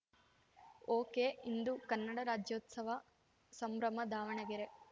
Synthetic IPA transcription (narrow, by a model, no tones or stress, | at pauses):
oːkeːind̪ukɐnːɐɽɐɾaːd͡ʒjoːt̪sɐʋɐ | sɐmɾɐmɐd̪aːʋɐɳɐɡiɾe